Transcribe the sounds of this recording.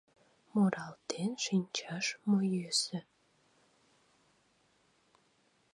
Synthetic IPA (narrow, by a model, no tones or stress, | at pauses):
moɾʔɑlt̪enʃinʲt͡ɕɑʃmojøsə